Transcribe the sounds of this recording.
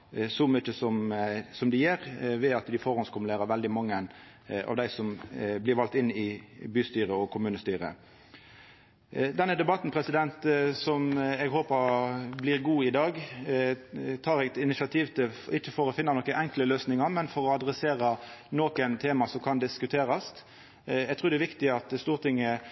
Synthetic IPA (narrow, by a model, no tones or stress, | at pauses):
sɔmyt͡ʃːəsɔmsɔmd̪ɪjæːɾʋɛɑt̪d̪ɪfɔɾɔnskʊmʉleːɾəʋɛld̪ɪmɑŋːən | ʔɑ̰ːʋd̪æɪsɔmblɪɾʋɑlt̪ɪnːɪbyːst̪yːɾəɔkʰʊmʉːnəst̪yːʁə̰ | d̪ɛnːəd̪ɛbɑt̪n̩pʰʁɛsɪd̪ɛnt̪sɔmɛɡɦoːpəɾblɪʁɡuːɪd̪ɑːɡ | t̪ʰɑːɾɛɡt̪ɪnɪsɑt̪ʰiːʋt̪ʰɪɪçːəfɔɾɔfɪnːɑnɔkəʔɛŋkləløːsnɪŋɑmɛnfɔɾɔɑd̪ɾɛseːʁɑnokənt̪ʰeːmɑsɔmkʰɑnd̪ɪskʉt̪ʰeːɾɑst̪ | ɛɡt̪ʰʁʉːd̪ɛʋɪkt̪ɪɑt̪st̪uːʁt̪ʰɪŋə